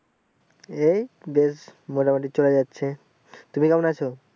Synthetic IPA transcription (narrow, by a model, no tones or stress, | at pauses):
ejbesmoʈamoʈ̬it͡ɕoled͡ʑatːɕʰe | t̪umikamonat͡ɕʰo